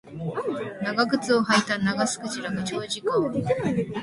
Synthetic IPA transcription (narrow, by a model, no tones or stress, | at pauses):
naɡaɡɯ̟t͡sɨo̞ɦait̪anaɡasɨ̥kɯ̟t͡ɕiɾaɡat͡ɕo̞ːʑikɯ